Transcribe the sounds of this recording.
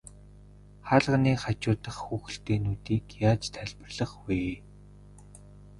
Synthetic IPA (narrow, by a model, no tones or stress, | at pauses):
χaɮʁə̆niːχat͡ɕʊːt̪ə̆χxuːxɘ̆ɬt̪eːnuːt̪iːkjaːt͡ɕt̪ʰæɮʲpə̆rɮə̆χweː